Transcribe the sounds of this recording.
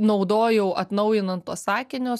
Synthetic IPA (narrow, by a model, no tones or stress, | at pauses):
nɒʊd̪oːjɛʊʔɐt̪nɐʊjɪnɐnt̪uɔssɑːkʲɪnʲoː